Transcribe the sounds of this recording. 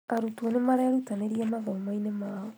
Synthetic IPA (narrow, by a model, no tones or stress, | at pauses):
aɾutwonemaɾɛaɾutaneɾiɛmaɣɔmoinemaːɔ